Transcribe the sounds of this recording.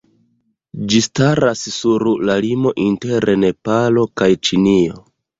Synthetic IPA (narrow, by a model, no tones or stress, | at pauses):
d͡ʒistaɾassuɾlalimo̞ʔinte̞ɾene̞palo̞kajt͡ʃinio̰